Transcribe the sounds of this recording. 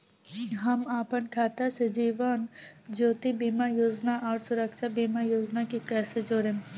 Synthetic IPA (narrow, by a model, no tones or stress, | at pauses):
ɦɐmaːpənkʰaːt̪ased͡ʒiːʋənd͡ʒoːt̪ibiːmajoːd͡ʒnaʔɔːɾsʊɾəkʃabiːmajoːd͡ʒnakikɛːsed͡ʒoːɾẽː